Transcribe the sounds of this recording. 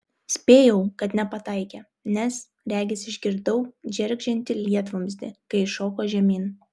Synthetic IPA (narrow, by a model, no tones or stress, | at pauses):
sʲpʲeːjɛʊkɐt̪nʲɛpɐt̪ɐɪkʲɛː | nʲɛs | ɾʲæːɡʲɪsʲɪʒʲɡʲɪɾd̪ɐʊd͡ʒʲɛɾʲɡʲʒʲɛnʲt̪ʲɪlʲiɛt̪ʋomʲzʲd̪ʲɪ̰kɐɪʃoːkoːʒʲɛmʲiːn